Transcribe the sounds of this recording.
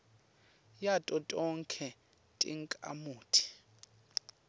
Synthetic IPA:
jatʼɔtʼɔŋkʰɛ | tʼḭŋkʼa̰muːtʰi̥

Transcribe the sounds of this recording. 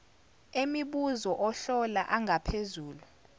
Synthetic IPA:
emiɓuzɔʔɔɬɔlaʔaŋʱapʰezuːlu

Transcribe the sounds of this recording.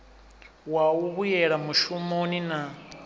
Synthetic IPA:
wawuβujɛɺamuʃumonina

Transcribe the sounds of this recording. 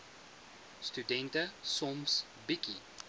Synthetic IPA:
studɛntəsɔms | biki

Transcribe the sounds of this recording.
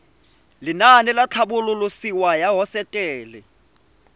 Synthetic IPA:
linanilat͡ɬʰaɓululusiwajaɦɔsɛtʼɛːlɛ

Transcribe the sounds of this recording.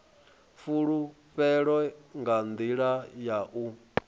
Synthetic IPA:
fuɺu | ɸɛɺɔŋɡand̪iɺajaʔu

